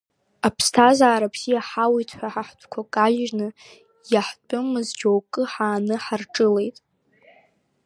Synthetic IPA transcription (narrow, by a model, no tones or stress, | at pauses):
apʰstʰazaːɾapʰz̥ijaħawitʰħʷaħaħtʷʰʼkʷʰakʼaʒnɨ | jaħt͡pʷʼʊmɨzd͡ʒowkʼɨħaːnɨħarʈ͡ʂʼɨle̞jtʼ